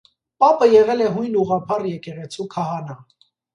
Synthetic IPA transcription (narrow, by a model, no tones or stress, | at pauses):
pɑpəjɛʁɛlɛɦujnluʁɑpʰɑrjɛkɛʁɛt͡sʰukʰɑɦɑnɑ